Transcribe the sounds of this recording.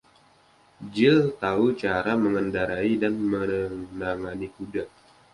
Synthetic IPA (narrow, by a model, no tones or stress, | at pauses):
d͡ʒɪlt̪aut͡ʃaɾaməŋəndaɾaidanmənaŋanikuda